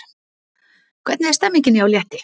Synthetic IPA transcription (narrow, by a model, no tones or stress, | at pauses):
kʰvɛɾt̪nɪɛ̥st̪ɛmːɪɲcɪnɪjawljɛht̪ɪ